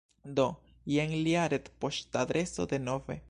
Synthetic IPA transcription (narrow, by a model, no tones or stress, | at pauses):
d̪o | jeŋliaɾet̪poʃt̪aðɾesod̪enovḛ